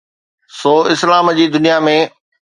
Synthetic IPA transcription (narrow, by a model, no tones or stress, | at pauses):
soːɪslaːmd͡ʑiːd̪ʊnijamẽ